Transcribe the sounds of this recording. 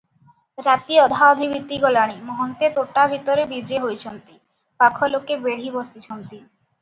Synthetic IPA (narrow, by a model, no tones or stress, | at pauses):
ɾat̪iɔd̪ʱaɔd̪ʱibit̪ːiɡɔlaɽ̃imɔɦont̪et̪oʈːabʱit̪oɾebid͡ʑeɦojt͡ɕʰont̪i | pakʰɔlokebeɽ̤ibɔst̪it͡ɕʰont̪i